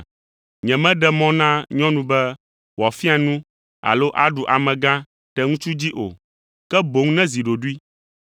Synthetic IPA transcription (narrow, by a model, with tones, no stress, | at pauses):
ɲɛ̃˨mɛ̃˦ɖɛ˦mɔ̃˦nã˦ɲɔ̃˦nũ˦bɛ˦ | wa˨fi˦a˨nũ˦ | a̰˨lo˦ʔa˦ɖu˨ʔa˨mɛ̃˨ɡã˦ | t̪ɛ˨ŋũ˦t͡ʃu˦d͡ʑi˦ʔo̰˨ | kɛ˦bo˨ŋnɛ̃˦zi˨ɖo˨ɖu˦i˦